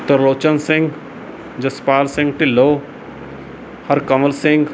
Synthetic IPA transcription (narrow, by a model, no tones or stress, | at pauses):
t̪ɐɾoːt͡ʃənsɪ̃ŋɡ | d͡ʒɐspaːlsɪ̃ŋɡ̚ʈ̪iloː | hɐɾkɐməlsɪ̃ŋɡ